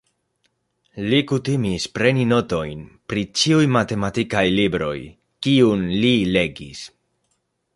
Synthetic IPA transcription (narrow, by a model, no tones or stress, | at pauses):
likutimispɾe̞nino̞to̞jnpɾit͡ʃiujmate̞matikajlibɾo̞̰j | kiunlile̞ɡḭs